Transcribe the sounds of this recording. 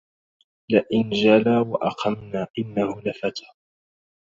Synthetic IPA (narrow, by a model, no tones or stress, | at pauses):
laʔɪnd͡ʒalaːwaʔɑqʰɑmnaːʔɪnːahʊlafat̪ʰḁː